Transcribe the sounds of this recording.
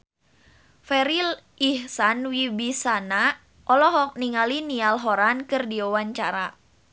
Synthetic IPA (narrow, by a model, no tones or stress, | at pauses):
fɛɾil | ihsanwibisana | ʔɔlɔɦɔk̚niŋalinialɦɔɾankɨrdiowaɲt͡ʃaɾa